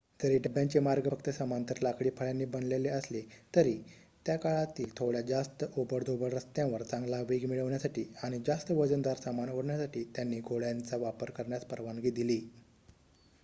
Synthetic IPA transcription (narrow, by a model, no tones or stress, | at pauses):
d͡zəɾiːɖəbjãɲt͡ɕemaɾɡəəkt̪əsəmant̪əɾlakɭiːpʰəɭjanːiːbənleleəslet̪əɾi | t̪jakaɭat̪iːlt̪ʰoɭjad͡zast̪əʔobəɾd̪ʱobəɭəst̪jãʋəɾt͡sãŋɡlaʋiɡmiɭəʋɳjasaʈiːaɽ̃id͡zast̪əʋəd͡zənd̪aɾsamanɦəɽɳjasaʈiːt̪janːiːɡʱoɭjant͡saʋapəɾkəɾɳjaspəɾʋaŋɡiːd̪iliː